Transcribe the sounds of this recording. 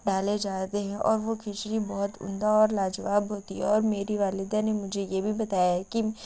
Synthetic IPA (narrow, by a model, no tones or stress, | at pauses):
ɖaːled͡ʒaːt̪eɦɛ̃ʔɔ̰ːɾʋokʰet͡ʃɾibɔːt̪ʊ̰̃nd̪aɔːɾlaːd͡ʒəʋaːbɦoːt̪iɦɛɔːɾmeːɾiʋaːlɪd̪anemʊd͡ʒʱejebʱibɐt̪aːjaki